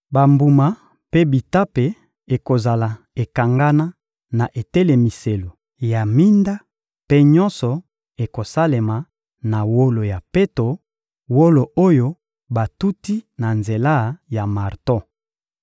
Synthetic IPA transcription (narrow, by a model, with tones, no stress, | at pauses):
ba˨mbu˨ma˨ | pe˦bi˨ta˦pe˨ | e˨ko˨za˨la˨ | e˨ka˨ŋɡa˦na˦ | na˨ʔe˨tɛ˦le˨mi˨se˨lo˨ | ja˨mi˦nda˦ | pe˦ɲɔ˦nsɔ˨ | e˨ko˨sa˦le˨ma˨ | na˨wo˦lo˨ja˨pe˦to˨ | wo˦lo˨ʔo˦jo˦ | ba˨tu˦ti˦na˨nze˨la˦˨ja˨ma˨ʁtɔ˦